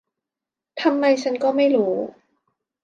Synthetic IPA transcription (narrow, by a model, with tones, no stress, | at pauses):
t̪ʰa˧mːa˧jt͡ɕʰa˦˥nkɔː˥˩ma˥˩jɾuː˦˥